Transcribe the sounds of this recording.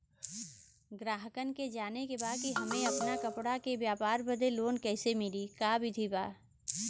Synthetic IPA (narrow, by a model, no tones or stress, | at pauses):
ɡɾaːɦəkənked͡ʒaːnekebaːd̪̚kiɦɐmẽɐpnakɐpɽakebjaːpaːɾbəd̪eloːnkɛːsemɪlikaːbʱid̪ʱibaː